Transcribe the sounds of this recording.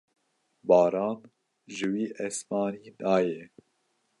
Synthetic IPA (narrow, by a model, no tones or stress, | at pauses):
bɑːɾɑːn | ʒɨwiːʔɛsmɑːniːnɑːjɛː